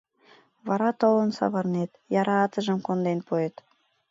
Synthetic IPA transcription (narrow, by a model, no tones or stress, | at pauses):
βɑɾɑt̪olənsɑ̰βɤrnet̪jɑɾɑːt̪ə̆ʒə̆mkond̪enpuet̪